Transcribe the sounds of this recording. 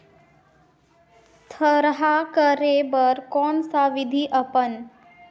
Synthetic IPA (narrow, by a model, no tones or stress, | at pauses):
t̪ʰəɾɦakəɾebəɾkɔːnsaʋid̪ʱiʔəpən